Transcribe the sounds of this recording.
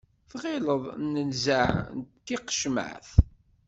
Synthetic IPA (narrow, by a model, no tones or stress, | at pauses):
θʁɪləðˤnənzaʕnt̪ːiqʃmə̰ʕθ